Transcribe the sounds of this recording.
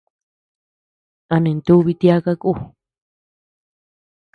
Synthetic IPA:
a˧nẽ˨nt̪u˦˧βi˧t̪ja˦ka˦ku˦

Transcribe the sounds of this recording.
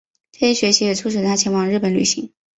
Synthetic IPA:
ʈ͡ʂɤ˥˩ɕɛ˥ɕɥɛ˧˥ɕi˧˥jɛ˨˩t͡sʰu˥ʂʰɻ̩˨˩ət̪ʰa˥t͡ɕʰjɛ˧˥nwɑ˨˩ŋɻ̩˥˩pə˨˩nly̰˨˩ɕi˧˥ŋ

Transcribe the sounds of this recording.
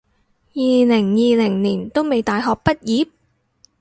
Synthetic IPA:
jiː˨lɪ˨˩ŋjiː˨˧lɪ˨˩ŋniː˨˩nt̪o˥wme˨˧jt̪aː˨jɦɔː˨k̚pɐ˥t̚jiː˨˥p̚

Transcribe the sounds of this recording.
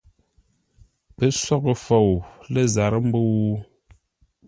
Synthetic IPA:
pə˨˦sɔ˦˨kə˨fo˨wlə˦˨za˨ɾə˦m̩˦bo˦w

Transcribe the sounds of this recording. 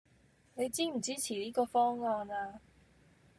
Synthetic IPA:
ne˨˧jt͡siː˥m̩˨˩t͡siː˥t͡sʰiː˨˩liː˥kɔː˧fɔː˥ŋŋɔː˧naː˧

